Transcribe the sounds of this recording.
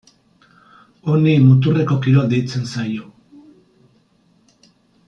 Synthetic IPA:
o̞nimut̪̬ureko̞kiɾo̞d̪ejt͡se̞nsajo̞

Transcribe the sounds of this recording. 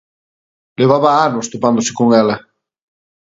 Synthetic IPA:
leβaβaanost̪opand̪ose̥koŋɛlɐ

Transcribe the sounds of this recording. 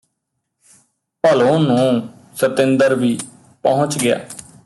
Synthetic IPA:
pəlõːnũː | sət̪ɪnd̪əɾʋiː | pɔɦʊ̃t͡ʃɡɪja̰ː

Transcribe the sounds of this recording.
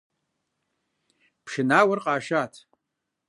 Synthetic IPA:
pʰʂɨnawarqʼaːʃatʰ

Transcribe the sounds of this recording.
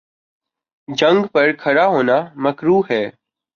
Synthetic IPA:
d͡ʒə̃ŋɡpəɾkʰəɾaːɦoːnaːməkɾuːɦɛː

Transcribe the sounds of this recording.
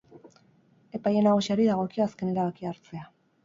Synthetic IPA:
e̞paje̞naɣusiaɾiðaɣ̞o̞kiaaske̞ne̞ɾaβakiaɾt͡se̞a

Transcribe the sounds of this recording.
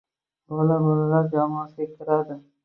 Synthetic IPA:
bolabolalaɾd͡ʒamɒːsʲek̚t̪ʰɪɾad̪ɪ

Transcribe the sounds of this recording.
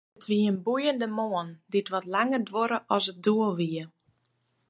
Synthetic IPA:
ətʰʋiəənbujəndəmoənditʋɔtlaŋərdʋoɾəʔɔsət̚duəlˠʋiə

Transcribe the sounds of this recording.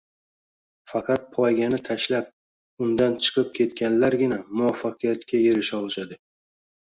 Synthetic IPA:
fɑqʰɑt̪̚pʰɒjɡʲanɪt̪ʰaʃlap̚ | ʊnd̪ant͡ʃʰɨ̥qʰɨp̚kʲʰe̞t̪kʲanlaɾɡʲɪnamʊwafːaqɨjat̪kʲʰaje̞ɾɪʃɒlˠʃad̪ɪ

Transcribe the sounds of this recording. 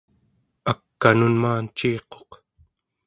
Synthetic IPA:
akːanunmaːnt͡ʃiːqo̞̥q

